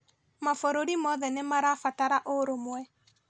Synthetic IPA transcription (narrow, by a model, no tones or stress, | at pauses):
mafoɾoɾimɔðɛnemaɾafataɾaʔoɾomwɛ